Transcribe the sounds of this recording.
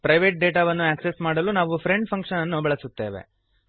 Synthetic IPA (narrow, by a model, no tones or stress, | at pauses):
pɾɐjʋeːʈ̚ɖe̞ːʈaːʋɐnːuæːksesmaːɽɐlunaːʋupʰɾeɳɖpʰɐŋkʂɐnɐnːubɐɭɐsut̪ːe̞ːʋe̞̰